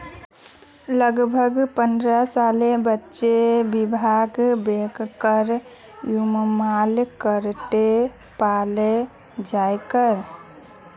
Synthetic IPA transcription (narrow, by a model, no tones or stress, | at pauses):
ləɡbʱəɡpənd̪ɾəsalebətːʃebibʱaɡbekkəɾ | jummalkəɾt̪e | pale | d͡ʒajkəɾ